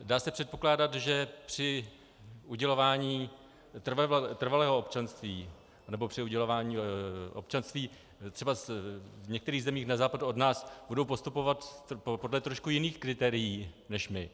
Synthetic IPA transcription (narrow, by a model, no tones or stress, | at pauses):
daːsɛpr̥ɛt̪̚po̞klaːdat̪ʒɛpr̝̥ɪ | ʔuɟɛlo̞vaːɲiː | t̪r̩vt̪r̩valɛːɦoopt͡ʃanst̪viː | anɛbopr̥ɪuɟɛlo̞vaːɲiːʔop̚t͡ʃanst̪viː | t̪r̥ɛbavɲɛkt̪ɛɾiːɣzɛmiːxnazaːpaduodnaːsbudowpo̞st̪upo̞vat̪po̞dlɛt̪ɾoʃkujɪniːxkɾɪt̪ɛːɾɪjiːnɛʃmɪ